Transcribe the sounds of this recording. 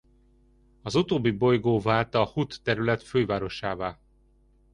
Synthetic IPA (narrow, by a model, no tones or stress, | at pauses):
ɒzut̪oːbːibo̞jɡoːvaːlt̪ɒːhut̪ːɛɾylɛt̪føːvaːɾo̞ʃaːvaː